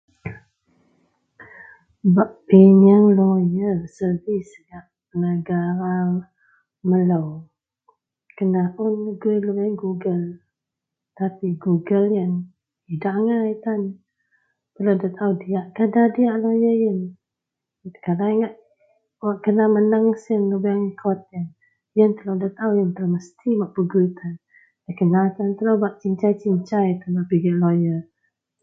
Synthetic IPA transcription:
baʔpiɲəŋlɔjəsəvis | ɡaʔ | nəɡaɾa | mələw | kənaʔʊnɡuiləəŋɡuɡəl | t̪apiɡuɡəljən | idaʔŋait̪an | pəladat̪audiaʔkadadiaʔlojəjən | kadaiŋaʔ | waʔkənamənaŋsənləbəŋkʰɔt̪ən | jənt̪əlodat̪aujənt̪ərməst̪imaʔbəɡujt̪an | dakənat̪ant̪əlobaʔt͡ʃiɲt͡ʃajt͡ʃiɲt͡ʃajt̪ənapiɡaʔlojə

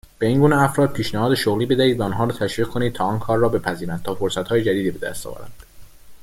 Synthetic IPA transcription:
b̥e̞iːŋɡuːneæfɾɒːd̪̚pʰiːʃnæhɒːd̪eʃoɣliːbe̞d̪æhiːd̪væɔnɦɒːɾɔːt̪ʰæʃviːʁ̥̚kʰo̞niːd̪̚t̪ʰɒːɒːnkʰɒːɾːɒːbe̞pʰæziːɾænd̪t̪ʰɒːfoɾsæt̪hɒːjed͡ʒæd̪iːd̪iːbe̞d̪æ̰st̪ɒ̰væ̰ɾæ̰nd̪̥

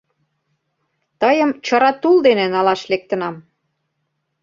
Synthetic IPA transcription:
t̪əjə̆mt͡ɕə̆ɾɑt̪uld̪enenɑlɑʃlek̚t̪ə̆nɑm

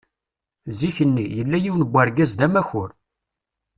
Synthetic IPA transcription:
ziçənːijəlːæjiwnəbʷːæɾɡæzd̪æmæçʊɾ

